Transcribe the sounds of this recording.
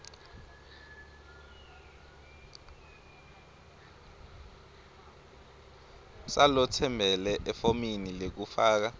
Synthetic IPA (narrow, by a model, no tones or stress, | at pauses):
salɔtʰɛmbʱɛlɛʔɛfominilek̬ufaːk̬a